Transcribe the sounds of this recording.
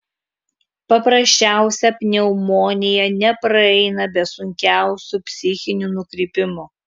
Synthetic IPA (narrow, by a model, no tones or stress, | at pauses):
pɐpɾɐsʲt͡ʃʲæˑʊsʲɛpʲnʲɛʊmoːnʲɪjɛnʲɛpɾɐɛɪnɐbʲɛsʊŋʲkʲæˑʊsʲupʲsʲɪxʲɪnʲunʊkɾʲɪːpʲɪmʊ